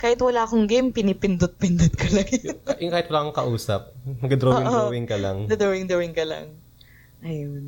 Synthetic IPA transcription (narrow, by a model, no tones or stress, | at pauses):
kaːhɪt̪wɐlaːʔɐkoŋɡɪmpɪnipɪnd̪ʊt̪̚pɪnd̪ʊd̪̚kʰɐlɐɡajʊŋkaːhɪt̪wɐlaːkoŋkɐʔuːsɐp̚mɐɡɐd̪ɾooːɪŋʔoowɪŋkɐlɐ̰ŋɐd̪ɾoːwɪŋd̪owɪŋkɐlɐ̰ŋ | ʔɐjon